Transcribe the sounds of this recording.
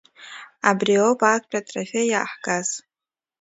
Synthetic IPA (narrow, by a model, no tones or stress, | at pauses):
abriopʰakʷʰpʷʼatʰʼrafʲeja̰ːħɡaz̥